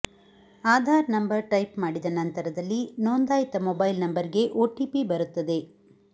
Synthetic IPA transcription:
aːd̪ʱaːɾɐnɐmbɐɾʈɐjpmaːɽid̪ɐnɐnt̪ɐɾɐd̪ɐlːinoːnd̪aːjit̪ɐmobɐjlnɐmbɐɾiɡe̞ʔoːʈipibɐɾut̪ːɐd̪e̞

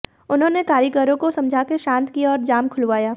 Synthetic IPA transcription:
ʊnɦõːnekaːɾjəkəɾõkosɐ̃md͡ʒʱaːkeʃãːnt̪kiaɔːɾd͡ʒaːmkʰʊlʋaːjaː

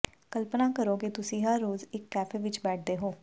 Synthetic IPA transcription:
kəlpnaːkəɾoːkit̪ʊsĩːɦəɾːoːzɪkːɛːfʰeːʋɪt͡ʃbɛːʈ̚ʰd̪eːɦoː

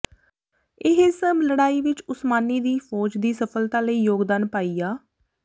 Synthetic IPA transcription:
ɪɦesəmləɽaːiːʋɪt͡ʃʊsmaːniːd̪iːfʰɔːd͡ʒd̪iːsəpʰəlt̪ãːləiːjoːɡd̪aːnpaːiːaː

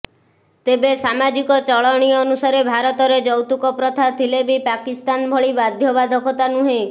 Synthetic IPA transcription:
t̪ebesamad͡ʒikɔt͡ʃɔɭɔɽ̃iɔːnusaɾebʱaɾɔt̪ɔɾed͡ʒɔwt̪ukɔpɾɔt̪ʰat̪ʰilebipakist̪anbʱɔɭibad̪ʱjɔbad̪ʱɔkʰɔt̪anũɦe

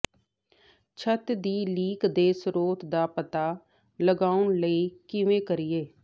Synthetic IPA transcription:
t͡ʃʰət̪d̪iːliːkd̪eːsɾoːt̪d̪aːpət̪aː | ləɡaːʊɳləiːkɪʋẽːkəɾɪːeː

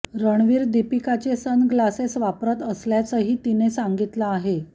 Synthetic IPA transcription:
ɾəɳ̃ʋiːɾd̪ipikat͡sesənɡlasesʋapɾət̪əsljat͡səɦiːt̪inesaŋɡit̪laːɦe

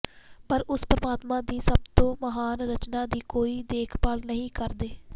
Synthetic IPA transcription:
pəɾʊspɾəmaːt̪mãːd̪iːsəb̚t̪õːməɦaːnɾət͡ʃnaːd̪iːkoːiːd̪eːkʰpəlnəɦĩːkəɾd̪eː

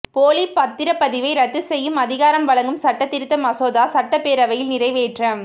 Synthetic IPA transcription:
poːlipɐt̪ːɪɾɐpːɐðɪʋɐɪɾɐt̪ːɯsɛjːɯmɐðɪɣaːɾɐmʋɐɭɐŋɡɯmsɐʈːɐt̪ːɪɾɯt̪ːɐmɐsoːðaːsɐʈːɐpːeːɾɐʋɐjɪlnɪrɐɪʋeːʈrɐm

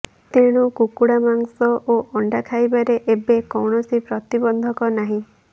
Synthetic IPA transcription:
t̪eɽ̃ukukuɽamaŋsɔʔoʔɔɳɖakʰajbaɾeʔebekɔwɳɔsipɾɔt̪ibɔnd̪ʱɔkɔnaɦĩ

